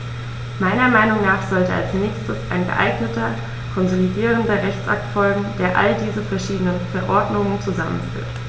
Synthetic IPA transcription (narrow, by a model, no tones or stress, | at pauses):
maɪnɐmaɪnʊŋnaːχz̥ɔltəa̰lsnɛːçstəsa̰ɪnɡə̰ʔa̰ɪɡnətɐ | kʰɔnzolidiːʁəndɐʁɛçt͡sʔa̰k̚tfɔlɡŋ̩d̥eːɐʔa̰ldiːzəfɛɐʃiːdənənfɛɐʔɔɐdnʊŋənt͡suzamə̰nfy̰ːɐt